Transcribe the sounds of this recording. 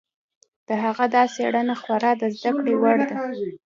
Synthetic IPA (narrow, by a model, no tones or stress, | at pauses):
d̪̥əɦaɣad̪ɑseɽanaxwaɾɑd̪əzd̪akɽewaɽd̪a